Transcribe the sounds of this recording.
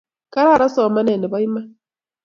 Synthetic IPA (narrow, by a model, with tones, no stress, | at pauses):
ka˦ɾa˦˨ɾa˦sɔ˨ma˦ne˨ne˨βa˦i˦ma˦